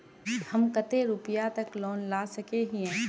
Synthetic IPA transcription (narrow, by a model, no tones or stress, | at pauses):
hɐmkɐt̪eɾʊpɪjat̪ɐklɔːnlaːsɐkeɦiɦɛ̃ː